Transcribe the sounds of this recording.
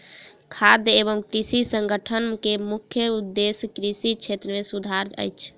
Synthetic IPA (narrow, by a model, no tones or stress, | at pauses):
kʰad̪ebəmkɾisisəŋɡʱəʈʰənkemukʰjəud̪ːeskɾisit͡ʃʰet̪ɾəmesud̪ʱaɾə̰jt͡ʃʰ